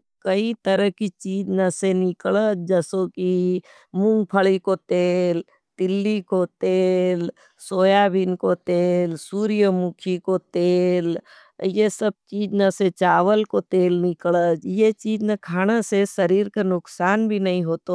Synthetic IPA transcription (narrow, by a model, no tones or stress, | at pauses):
kɐit̪əɾəɦkit͡ʃiːd͡ʒnɐsenɪkɭət̪̚d͡ʒəsoki | mʊ̃ŋɡ̚pʰəɭikot̪eːl | t̪ɪlːikot̪eːl | soːjabɪnkot̪eːlsuːɾijəmukʰikot̪eːl | jesɐb̚t͡ʃiːd͡ʒnɐset͡ʃaːʋəlkot̪eːlnɪkɭət̪jet͡ʃiːd͡ʒnɐkʰaːɽ̃əsesɐɾiːɾkenʊksaːnbʱinɐɦĩɦoːt̪o